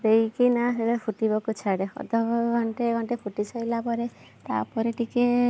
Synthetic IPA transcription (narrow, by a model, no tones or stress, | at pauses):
d̪ejkinaɦelepʰuʈibɔkut͡ʃʰaɽeɔ̰d̪ʱɔɡɔɳʈeɡɔɳʈepʰuʈit͡ʃʰajlapɔɾe | t̪a̰pɔɾeʈiki